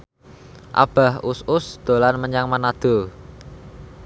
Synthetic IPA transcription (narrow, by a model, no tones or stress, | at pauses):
ʔa̰b̥a̤hʊsʊsd̪̥o̤lanməɲaŋmanad̪̥o̤